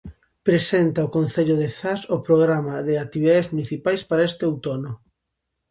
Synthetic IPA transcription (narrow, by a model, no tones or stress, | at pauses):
pɾesent̪aokon̟θeʎʊðeθasʊpɾoɣɾamaðeak̚t̪iβiðaðezmuniθipajspaɾaest̪eowt̪onʊ